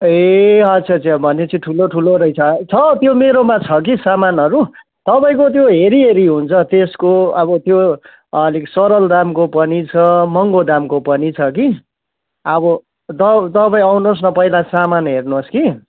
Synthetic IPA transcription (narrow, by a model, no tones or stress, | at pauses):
eʌt͡sʰʌt͡sabʱʌnet͡sʌĩʈʰuloʈʰuloɾʌjt͡sʰʌt͡sʰʌt̪jomeɾomat͡sʰʌk̬isamanʌɾu | t̪ʌpaĩkot̪joɦeɾiɦeɾiɦunt͡sʰʌt̪eskoʌbʌt̪jo | liksʌɾʌld̪amkopʌnit͡sʰʌmʌŋɡod̪amkopʌnit͡sʰʌki | ʌbʌ | t̪ʌt̪ʌpaĩawnos̬nʌpʌilasamanɦernoski